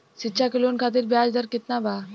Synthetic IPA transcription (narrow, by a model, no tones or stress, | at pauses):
sitːʃʰakɪloːnkʰaːt̪̬ɪɾbjaːd͡ʒd̪əɾkɪt̪nabaː